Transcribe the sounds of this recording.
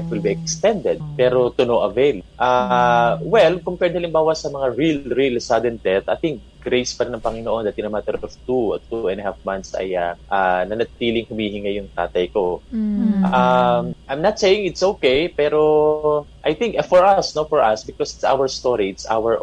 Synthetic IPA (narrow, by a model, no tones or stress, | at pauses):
t̪̚wɪlbiɛkst̪ɛnd̪ɛd̪̚pɛɾo̞t̪ʊnoʔɐvejlʔa | wɛlkompɛd̪ɪhɐlɪmbaːwɐsɐmɐŋaɹilɹilsad̪ɛnt̪ɛt̪ɐjt̪ɪŋk̚ɡ̥ɾejspɐɾɪnɐŋpɐŋɪnoʔo̞nd̪at̪ɪnɐmat̪ɛɾɔft̪ut̪uɛ̃nɐhafmant̪sɐ̰jaʔanɐnɐt̪iːlɪŋhʊmiːhɪŋɐjʊŋt̪a̰ːt̪ɐjko̞ | ʔamʔajmnat̪̚sejɪŋɪt̪sʔowkejpɛːɾo̞ʔajθɪŋkfɔɹʔɐsnofɔɹʔɐsbɪkosɪt̪sa̰wəɹst̪oɹiɪt̪sʔa̰wɛɹ